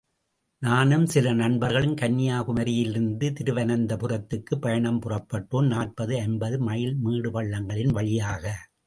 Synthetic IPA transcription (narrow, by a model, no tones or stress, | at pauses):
naːnɯmsɪlɐnɐɳbɐɾɣɐɭɯnkɐnːɪjaːkɯmɐɾɪjɪlɪɾɯnd̪ɯt̪ɪɾɯʋɐnɐnd̪ɐpʊrɐt̪ːɯkːɯpːɐjɐɳɐmpɯrɐpːɐʈːoːmnaːrpɐðɯɛnbɐðɯmɐjɪlmiːɽɯpɐɭːɐŋɡɐɭɪnʋɐɭɪjaːɣɐ